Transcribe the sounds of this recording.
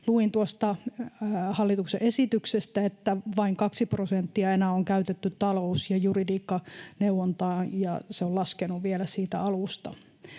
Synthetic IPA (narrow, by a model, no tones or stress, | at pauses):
luint̪uost̪ɑ | hɑlːit̪uksḛʔesit̪yksest̪æet̪ːæʋɑiŋkɑksiprosent̪ːiɑenæːoŋkæyt̪et̪ːyt̪tɑlousjɑjuridiːkːɑneuwont̪ɑːjɑ̰seolɑskenuʋielæsiːt̪æ̰ɑlust̪ɑ̰